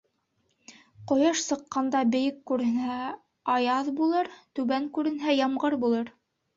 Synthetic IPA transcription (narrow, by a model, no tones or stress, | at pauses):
qŏjɑʃsɤ̆qːɑnd̪ɑbɘ̆jɘkːʉɾɘ̆nhæ | ɑjɑðbulˠɤɾt̪ʉβæŋkʉɾɘ̆nɦæjɑmʁɤɾbulˠɤɾ